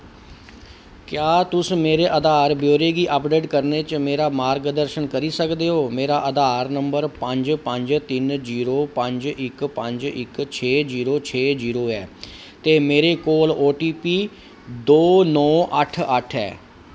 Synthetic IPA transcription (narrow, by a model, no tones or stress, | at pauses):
kjaːt̪ʊsmeːɾeːʔəd̪aːɾbjoːɾeːɡiːʔəpɖeːʈkəɾneːt͡ʃmeːɾaːmaːɾɡd̪əɾʃənkəɾiːsəkd̪eːɦoːmeːɾaːʔəd̪aːɾnəmbəɾpəɲd͡ʒpəɲd͡ʒt̪ɪnziːɾoːpəɲd͡ʒɪkpəɲd͡ʒɪ̰kt͡ʃʰeːziːɾoːt͡ʃʰeːziːɾoːɛː | t̪eːmeːɾeːkoːloːʈiːpiː | d̪oːnɔːʔəʈʰəʈʰɛ̰ː